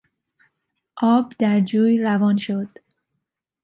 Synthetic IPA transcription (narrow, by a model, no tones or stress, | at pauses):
ʔɒːbd̪æɾd͡ʒuːjɾævɒːnʃod̪̥